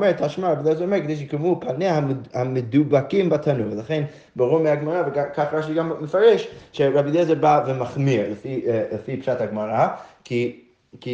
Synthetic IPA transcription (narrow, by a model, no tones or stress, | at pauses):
mɛɹtʰaʃmaɹabidɛzɛomɛɹkəd̪ejʃ̬kamupʰaneahamədubakimbatʰanujlaχen | baʁuɾmiaɡmaʁavəɡakʰafʁaʃ̬iɡamːəfaɾɛʃʃɛɹabidɛzɛbavɛmaχmiɹləfiləfipʃathaɡmaʁakʰi | ki